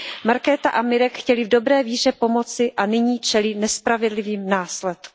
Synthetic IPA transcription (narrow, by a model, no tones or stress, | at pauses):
maɾkɛːt̪aʔamɪɾɛkxcɛlɪvdo̞bɾɛːviːr̝ɛpo̞mo̞t͡sɪʔanɪɲiːt͡ʃɛlɪnɛspɾavɛdlɪviːmnaːslɛt̪ku